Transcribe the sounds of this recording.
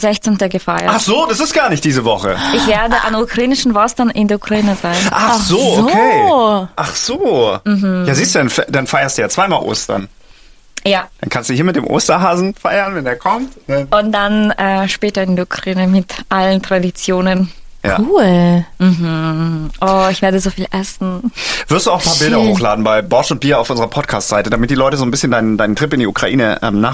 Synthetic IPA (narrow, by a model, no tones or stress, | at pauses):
z̥ɛçt͡sɛntɐɡəfaɪəʔaχz̥oːd̥asɪstɡ̥aːɐnɪçt̚d̥iːzəvɔχə̰ɪçv̥ɛːɐdəʔa̰nukʁ̥aiːnɪʃn̩vɔstɐnʔɪndɛɐukʁ̥aiːnəzaɪnʔaz̥oːokːʰeːʔaχz̥oːm̩hm̩jaːziːstd̥uːdanfɛdanfaɪɐstd̥uːjaːt͡sv̥aɪmaːlʔo̰ːstɐ̰n | jaːd̥ankʰanstd̥uːiːɐmɪt̚d̥eːmʔo̰ːstɐɦaːzn̩faɪɐnvɛndeːɐkʰɔmtʔʊnt̚d̥anʔɛːʃpɛːtɐɪndukʁ̥iːnəmɪtʔaləntʁ̥adit͡sjoːnən | ja̰ːuːlm̩ɦm̩ʔɔːɪçv̥eːɐdəzoːfiːlʔɛsn̩v̥ɪɐstd̥uːaʊxn̩pʰaːɐbɪldɐhoːxlaːdn̩baɪbɔɐtʊnt̚b̥iːɐaʊfʔʊnzəʁɐpʰɔt̚kʰaːstz̥aɪtədamɪt̚d̥iːlɔʏtəzoːnbɪsçəndaɪnəndaɪnəntʁ̥ɪpɪndiʔukʁ̥aʔḭːnəʔɛ̰ːmnaː